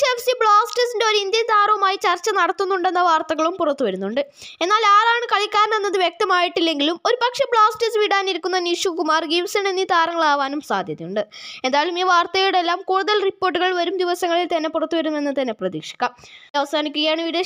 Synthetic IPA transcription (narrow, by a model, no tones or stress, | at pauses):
efsibɭaːsʈɐsinde̞oɾind̪jɐnt̪aːɾɐɐmaːjit͡ɕɐrt͡ɕːɐnɐɽɐt̪ːunːuɳɖe̞nːɐʋaːrt̪ɐɣɐɭumpurɐt̪ːuʋɐɾunːuɳɖɨ | e̞nːaːlaːɾaːɳɨkɐɭikʲːaːɾnenːɐðɨʋjek̚t̪ɐmaːjiʈːilːe̞ŋɡilumo̞ɾupɐkʂɐbɭaːsʈɐsʋiɽaːniɾukʲːunːɐniʂukumaːrɡiʋsɐninːit̪ʰaːɾɐŋːɐɭaːʋaːnumsa̰ːd̪ʱjɐðijuɳɖɨe̞nd̪aːjlumiːʋaːrt̪ɐjɐjuɽe̞lːaːmkuːɽuðɐlripːoːʈːuɣɐɭʋɐɾumd̪iʋɐsɐŋːɐɭilt̪ɐnːe̞purɐt̪ːuʋɐɾunːenːɨt̪ɐnːeprɐðḭːkʂi̥kʲːaːmɐʋɐsaːnikʲːuɣɐjaːɳɨʋiɽe